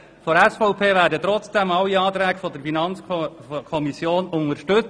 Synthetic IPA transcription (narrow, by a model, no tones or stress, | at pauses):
fɔɾɛsfɔʊpʰeːvæːɾdət̪ɾɔt͡sd̥ɛmɑlːiɑːt̪ɾɛːɡ̥əfɔd̪əɾfinɑnt͡skʰɔmisjoːnʊŋəʃtɵt͡s